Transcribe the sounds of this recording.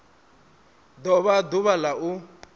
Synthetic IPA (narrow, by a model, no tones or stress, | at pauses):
d̪ɔβad̪uβalaʔu